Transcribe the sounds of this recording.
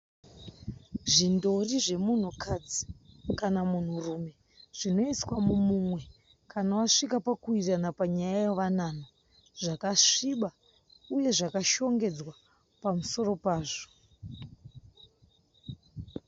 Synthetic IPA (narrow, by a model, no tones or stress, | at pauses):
ʐindo̞riʐe̞mun̤ukʰad͡zikanamun̤urume̞ | ʐ̥ino̞iswamumumwe̞ | kʰanawaʂikapakuiranapaɲajajoʋanano | ʐakaʂiɓa | uje̞ʐakaʃo̞ŋɡe̞d͡zwa | pamuso̞ro̞paːʐo̥